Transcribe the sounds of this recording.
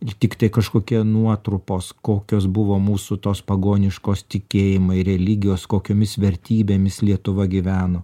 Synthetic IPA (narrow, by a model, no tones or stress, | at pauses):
t̪ʲɪkt̪ɐɪkɐʃkoːkʲiɛnuɔt̪ɾʊpoːskoːkʲoːsbʊʋoːmuːsʊt̪oːspɐɡoːnʲɪʃkoːst̪ʲɪkʲeːjɪmɐɪɾʲɛlʲɪɡʲɪjoːskoːkʲoːmʲɪsʋʲɛɾʲt̪ʲiːbʲeːmʲɪslʲiɛt̪ʊʋɐɡʲɪʋʲæːnoː